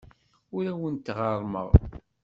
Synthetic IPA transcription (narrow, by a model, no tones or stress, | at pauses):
ʊɾæwənt̪ʁɑɾˤmə̰ʁ